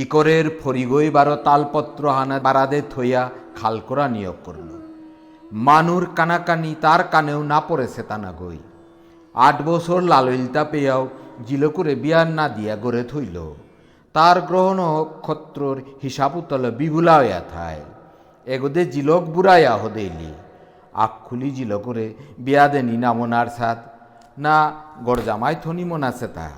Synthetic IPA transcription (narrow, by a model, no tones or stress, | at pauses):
ikoɾeɾpʰoɾiɡojbaɾot̪alpɔt̪ːɾoɦanabaɾad̪et̪ʰojakʰalkoɾanijo̰ɡko̰ɾlo̰ | manuɾkanakanit̪aɾkanewnapɔɾet͡ɕʰet̪ana̰ɡo̰j | a̰ʈbɔt͡ɕʰoɾlalojlt̪apejawd͡ʑilokuɾebiannːad̪ijaɡoɾet̪ʰojlo̰ | t̪aɾɡɾɔɦɔnɔkʰːɔt̪ːɾoɾhiʃaput̪ɔlɔbiɡʱulaɔja̰t̪ʰa̰e | eɡɔd̪ed͡ʒilɔkbuɾajaɦod̪ejlḭ | a̰kʰːulid͡ʒilɔkuɾebijad̪eninamɔnaɾsat̪ʰ | naɡɔɾd͡ʒamajt̪ʰɔnimɔnasʰet̪a̰